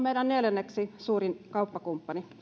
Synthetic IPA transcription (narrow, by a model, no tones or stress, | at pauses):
meiɾænneljænːeksisuːrinkɑupːɑkumpːɑni